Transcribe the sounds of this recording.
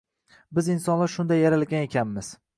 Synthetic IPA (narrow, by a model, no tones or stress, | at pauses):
bɪzɪnsɒnlaɾʃʊnd̪ajːaɾalɡʲane̞kʲʰanmɪz̥